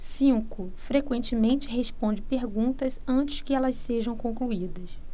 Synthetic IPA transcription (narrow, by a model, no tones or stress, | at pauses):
sĩkʊ | fɾekwẽt͡ʃɪmẽt͡ʃɪɦespõnd͡ʒɪpeɾɡũnt̪ɐzɐ̃t͡ʃɪ̥skɪɛlɐsseʒɐ̃w̃kõkluid̪ɐs